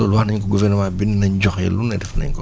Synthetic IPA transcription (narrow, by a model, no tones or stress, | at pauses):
ɔlwaxnɐɲk̬ɔɡuvɛɾnɔmaːbinnɐɲɟɔxjɛ̰lunːɐdɛfnɐ̰ɲkɔ